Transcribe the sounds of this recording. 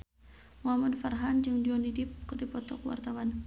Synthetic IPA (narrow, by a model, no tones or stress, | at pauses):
muamadfarɦand͡ʒɨŋdɔnidɪp̚kərdipɔt̪ɔkwa̰rt̪awan